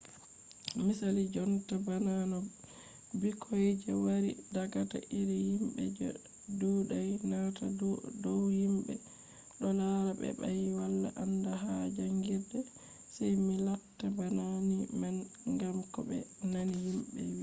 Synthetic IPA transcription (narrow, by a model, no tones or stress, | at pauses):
misalid͡ʒɔntabananɔ | bikʰɔjd͡ʒɛwaɾḭdaɡata̰ʔiɾihimbɛ̰d͡ʒɔ̰ | duɗajnatadɔwhimbɛ | ɗɔlaɾabɛ̰bajwalːa̰ʔandaɦad͡ʒaŋɡiɾdɛ | sajmilatːabananiman | ŋɡamkɔbɛ̰nanihimbɛ̰wi